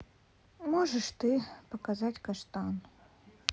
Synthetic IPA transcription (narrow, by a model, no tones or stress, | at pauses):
mɔʐəʂt̪ɨpɐkazatʲkɐʂt̪an